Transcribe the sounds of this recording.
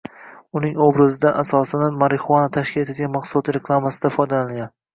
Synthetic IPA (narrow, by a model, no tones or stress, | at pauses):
ʊnɪŋobɾɪzɪd̪anʔasɒsɪnamaɾɪχʊanat̪ʰaʃkʲɪlet̪ʰeɡʲanmaqsʊlˠɒt̪ʰɾekʰlˠamasɪd̪afɒjd̪alaɡʲan